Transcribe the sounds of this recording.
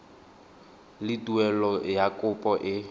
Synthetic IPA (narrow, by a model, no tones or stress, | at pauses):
lɪtʼuɛlɔjakʼʊpʼɔʔɪ